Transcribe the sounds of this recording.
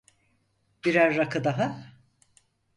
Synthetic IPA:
biɾæɾːakɯd̪aɦa

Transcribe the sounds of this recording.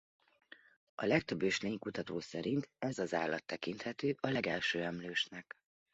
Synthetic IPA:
ɒ̰lɛk̚t̪ø̞bːøːʃleːɲkut̪ɒt̪oːsɛɾint̪ɛzɒzaːlːɒ̰t̪ːɛkint̪hɛt̪øːʔɒlɛɡɛlʃøːɛmløːʃnɛk

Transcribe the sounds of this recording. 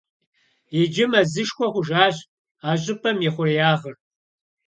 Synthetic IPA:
jɛd͡ʒɪmɐzɨʃkʷʰɔχʷʊʒaːɕʼ | aːʑʼɪpʰɐmjɛχʷʊrjaːʁər

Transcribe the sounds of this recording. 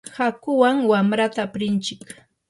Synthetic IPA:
hakʊwaŋwamɾat̪aːpɾɪnt͡ʃɪk

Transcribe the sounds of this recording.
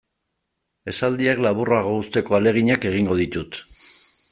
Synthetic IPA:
e̞sald̪iaklaβuraɣoust̪e̞ko̞ale̞ɣ̞iɲake̞ɣ̞iŋɡo̞ð̞it̪ut̪

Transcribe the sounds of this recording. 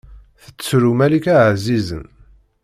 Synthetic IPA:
θə̥t͡sːt͡sːɾumælikæʕzizə̰n

